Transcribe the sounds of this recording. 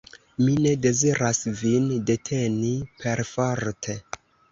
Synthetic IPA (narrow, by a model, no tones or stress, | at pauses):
mine̞de̞ziɾasvinde̞tʰe̞nipe̞ɾfoɾtʰe